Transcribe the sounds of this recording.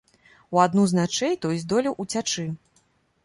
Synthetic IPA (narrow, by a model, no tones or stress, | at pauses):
uad̪nuznat͡ʂɛjt̪ɔjzʲd̪ɔlʲiwʔut͡sʲat͡ʂɨ